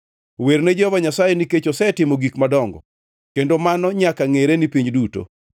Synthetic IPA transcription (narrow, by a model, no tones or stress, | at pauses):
wernɛd͡ʒɔvaɲasajeniket͡ʃɔsɛtɪmoɡikmadɔŋɡɔ̰ | kendomanɔɲakaŋeɾenipiɲduto̰